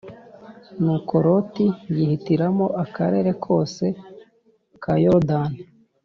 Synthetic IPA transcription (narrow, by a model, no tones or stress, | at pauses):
nuko̞ɾo̞tijihitiɾamo̞ʔakaɾe̞ɾe̞kʰo̞ːse̞ | kajodani